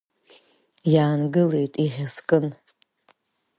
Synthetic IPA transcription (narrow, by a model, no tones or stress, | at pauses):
jaːnɡɨle̞jtʼiʁʲaskʼɨn